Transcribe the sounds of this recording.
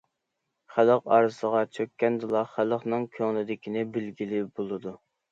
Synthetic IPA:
χæləqɑ̰ɾɨsəʁɑt͡ʃʰøkʲːɛnd̪ɨlˠɑχæləqnɨŋkʲʰøŋlˠɪd̪ɪkʲinɪbɪlɡʲilɪbolˠɨd̪u

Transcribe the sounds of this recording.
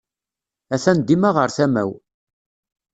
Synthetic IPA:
æθænd̪imaʁəɾθæmæ̰w

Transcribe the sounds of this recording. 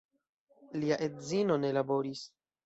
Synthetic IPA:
liaʔe̞tzino̞ne̞labo̞ɾis

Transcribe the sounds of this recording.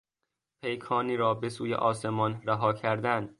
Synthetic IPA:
pʰe̞jkʰɒːniːɾɒːbesuːjḛʔɒːse̞mɒnɾæɦɒːcʰæɾd̪ænd̪̥

